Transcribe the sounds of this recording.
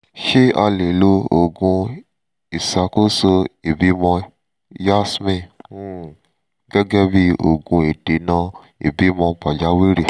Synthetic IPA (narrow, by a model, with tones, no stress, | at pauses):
ʃe˦a˧le˨lo˧o˨ɡũ˧ | i˨sa˧ko˦so˧e˨bi˨˦mɔ̃˧ | ja˦smĩ˦˨˦ | ɡ̥ɛ˦ɡɛ˦bi˦o̰˨ɡũ˧e˨de˨nã˧˦ | ḛ˨bi˨˦mɔ̃˧pa˨d͡ʒa˨˦wi˦ɾe˨